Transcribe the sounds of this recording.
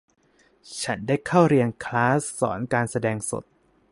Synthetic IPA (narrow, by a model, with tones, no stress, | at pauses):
t͡ɕʰa˦˥ndaː˥˩jkʰa˥˩wɾi˧ənkʰlaː˦˥sːɔ̰ː˩˦nkaː˧nsa˧dɛː˧ŋso̰˨˩t̪̚